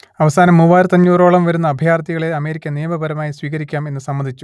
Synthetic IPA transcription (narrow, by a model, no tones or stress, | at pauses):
ɐʋɐsaːnɐmːuːbaːɾɐt̪ɐɲːuːro̞ːɭɐmʋɐɾunːɐːbʱjaːrt̪ʰiɣɐɭeɐme̞ːɾikʲːɐnijɐmɐbɐɾɐmaːjisʋiːɣɐɾikʲːaːme̞nːɨsɐmːɐnd̪ʱit͡ɕːu̥